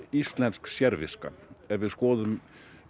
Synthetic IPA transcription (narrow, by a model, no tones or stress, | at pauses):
ist̪lɛnsksjɛɾviska̰ɛvɪðskɔːðʏm